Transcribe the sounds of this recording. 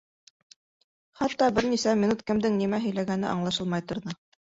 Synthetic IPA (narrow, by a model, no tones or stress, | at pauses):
χɑt̪ːɑbɘɾnisæmʲinut̪̚kɘ̆md̪ɘŋnimæɦɵ̆jlæɡænɘ̰ʔɑ̰ɴlˠɑʃɤlˠmɑjt̪ŏɾðɤ